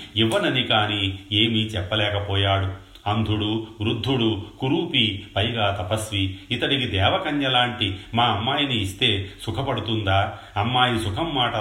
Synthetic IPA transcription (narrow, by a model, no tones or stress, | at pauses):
iʋːɐnɐnikaːniːe̞ːmit͡ʃɛpːɐlɛːkɐpɔːjaːɽu | ɐnd̪ʱuɽuʋɾud̪ʱːuɽukuɾuːpipɐjɐɡaːt̪ɐpɐsʋiit̪ɐɽikid̪ɛːʋɐkɐnjɐlaːɳʈimaːɐmːaːjiniːst̪e̞ːsukʰɐpɐɽut̪und̪aː | ɐmːaːjisukʰɐmːaːʈɐ